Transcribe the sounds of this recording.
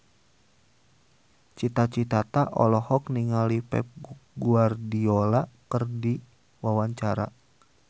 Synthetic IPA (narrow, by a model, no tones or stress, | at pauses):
t͡ʃit̪at͡ʃit̪at̪aʔɔlɔhɔkniŋalipɛ̰p̚ɡuardiolakərdi | wawaɲt͡ʃaɾa̰